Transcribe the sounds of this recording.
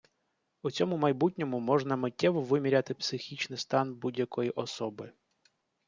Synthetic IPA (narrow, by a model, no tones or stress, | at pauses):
ut͡sʲɔmʊmɐjbutʲnʲɔmʊmɔʒnɐmɪtʲːɛʋɔʋɪmʲiɾʲɐt̪ɪpsɪxʲit͡ʃnɪjst̪ɑnbudʲjɐkɔjiʔɔsɔbɪ